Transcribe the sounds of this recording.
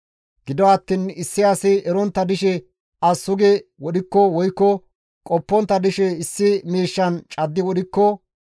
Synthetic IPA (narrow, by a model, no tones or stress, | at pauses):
ɡ̥ɪd̪ɔɐt̪ːiːnɪsːɪɐsɪʔɛɾɔnt̪ːɐd̪ɪʃɛ | ɐsːʊɡɛwɔɗɪkːɔwɔjkːɔ | kʼɔpːɔnt̪ːɐd̪ɪʃɛɪsːɪmiːʃːɐnt͡ʃʼɐd̪ːɪwɔɗɪkːɔ